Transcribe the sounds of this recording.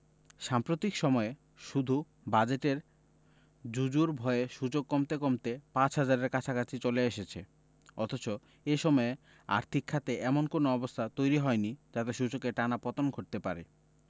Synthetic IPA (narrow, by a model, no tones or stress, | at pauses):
ʃampɾot̪ikʃɔmɔe | ʃud̪ʱu | bad͡ʑeʈeɾ | d͡ʑud͡ʑuɾbʱɔeeʃud͡ʑokːɔmt̪ekɔmt̪epãt͡ɕɦad͡ʑaɾeɾkat͡ɕʰakat͡ɕʰit͡ɕoleeʃet͡ɕʰe | ɔ̰t̪ʰot͡ɕo | eʃɔmɔe | a̰ɾt̪ʰikʰːat̪eʔɛmonkonoɔbost̪ʰat̪ojɾiɦɔenid͡ʑat̪eʃud͡ʑokeʈanapɔt̪onɡʱoʈ̚t̪epaɾḛ